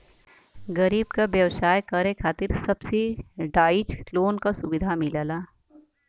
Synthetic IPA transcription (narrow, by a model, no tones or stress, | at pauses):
ɡɐɾiːbkabjɐʋsaːjkaɾekʰaːt̪ɪɾsɐbseɖaːɪd͡ʒloːnkasʊbɪd̪ʱamɪlaːlaː